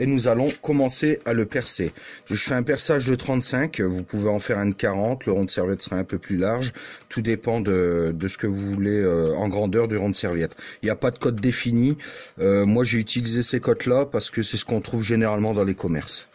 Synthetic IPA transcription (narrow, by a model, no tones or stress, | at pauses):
enuzalɔ̃kɔmɑ̃sealəpɛʁseʒəfɛɛ̃pɛʁsaʒd̪ət̪χɑ̃t̪sɛ̃kʲvupuveɑ̃fɛʁɛ̃d̪əkaʁɑ̃t̪ləʁɔ̃d̪əsɛʁvjɛt̪sə̥ʁaɛ̃pøplylaʁʒt̪ʰud̪epɑ̃d̪əd̪əsə̥kəvuvuleøɑ̰̃ɡʁɑ̃d̪œʁd̪yʁɔ̃d̪əsɛʁvjɛt̪χiljapad̪əkɔd̪ːefiniømwaʒeyt̪ʰilizesekɔt̪lapaʁsə̥kəsɛsə̥kɔ̃t̪χuvʒeneʁalmɑ̃d̪ɑ̃lekʰɔmɛʁs